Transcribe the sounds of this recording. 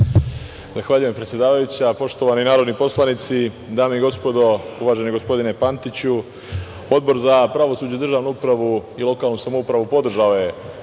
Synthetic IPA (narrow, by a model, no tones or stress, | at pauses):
zaxʋaːʎujempɾet̪sje̞d̪aːʋajut͡ɕapo̞ʃt̪o̞ʋaninaːɾod̪nipo̞slˠanit̪si | d̪aːmeiɡo̞spo̞d̪o̞uʋaːʒe̞niɡo̞spo̞d̪ine̞pant̪it͡ɕu | o̞d̪̚bo̞ɾzapɾaʋo̞suːd͡ʑud̪r̩ʒaːʋnuupɾaʋuilˠo̞kaːlˠnusamoupɾaʋupo̞d̪r̩ʒaoje̞